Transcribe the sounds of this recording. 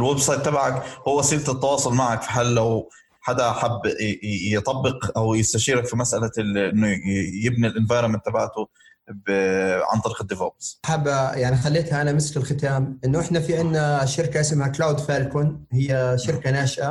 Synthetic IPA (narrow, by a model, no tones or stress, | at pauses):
ɪlwebsˤɑjdt̪ːabaʕakhʊwːasˤiːlt̪ɪt̪ːɑwɑːsˤʊlmaʕakfi̥ħaːlːaw | ħad̪aʔħabːjt̪ˤɑbːɪqʔawjɪst̪aʃiːɾakfimasʔalaʔɪnːʊjɪbnilʔɪnvɑːɾˤɑmɪnt̪abaʕt̪ʊ | bʕa̰nt̪ˤɑɾiːqɪd̪ːɪvɑ̰ːbsħabːajaʕnixalːeːt̪haʔanamɪskɪlxɪt̪aːmʔɪnːʊʔɪħnafiʕɪnːaʃɪɾkaʔɪsmhaklawd̪faːlkʊnhɪjːaʃɪɾkanaːʃʔa